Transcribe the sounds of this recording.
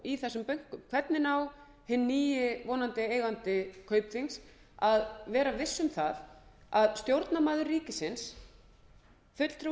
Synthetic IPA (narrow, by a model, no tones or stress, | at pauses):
iθɛsːʏmpœɥŋ̥kʏmkʰv̥ɛt̪nɪnaw | hɪnːiːjɪvɔːnant̪ɪeːjɣant̪ɪkʰœːɥpθiŋs | aðvɛːɾavɪsːʏmθaðaðst̪jowɾt̪namaːðʏrːiːcɪsɪns | fʏt̪l̥t̪ɾu